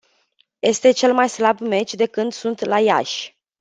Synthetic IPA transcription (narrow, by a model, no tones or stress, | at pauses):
je̞st̪e̞t͡ʃe̞lmajslabme̞t͡ʃʲd̪e̞kɨnd̪sunt̪laja̰ʃʲ